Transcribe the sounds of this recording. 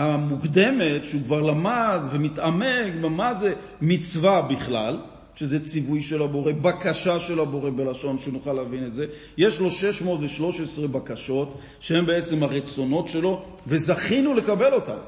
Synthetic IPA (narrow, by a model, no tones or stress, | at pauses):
hamuɡd̪e̞metʃeukvaʁlamad̪vemitameɡmaze | mit͡svabiχlal | ʃe̞zet͡sivujʃe̞labo̞ʁe̞bakaʃaʃelabo̞ʁe̞be̞laʃo̞nʃenuχalavinetze̞ | jeʃlo̞ʃe̞ʃmo̞ːtveʃlo̞ʃesʁebakaʃo̞t | ʃee̞mbe̞et͡se̞mhaʁet͡so̞no̞tʃe̞lo̞ | ve̞zaχinule̞kabe̞lo̞ta̰m